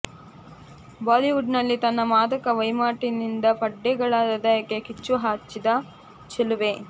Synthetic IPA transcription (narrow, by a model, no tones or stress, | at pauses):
baːliʋuɖnɐlːit̪ɐnːɐmaːd̪ɐkɐʋɐjmaːʈinind̪ɐpɐɖːɛɡɐɭaːd̪ɐd̪ɐjɐkːekit͡ʃːuɦaːt͡ʃːid̪ɐ | t͡ʃɐluʋe